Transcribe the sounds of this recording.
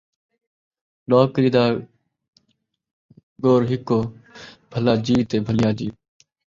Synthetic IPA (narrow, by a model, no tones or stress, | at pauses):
loːkɾiːd̪aː | ɡoːɾɦɪkːoːbʱəlaːd͡ʒiːʋt̪eːbʱəljaːd͡ʒiː